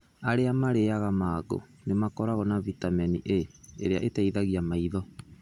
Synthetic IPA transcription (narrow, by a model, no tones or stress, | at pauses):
aɾeamaɾeaɣamaːɡo̰ | nemakɔɾaɣɔnavitamɛnḭʔeḛɾeaʔetɛiðaɣiamaiðɔ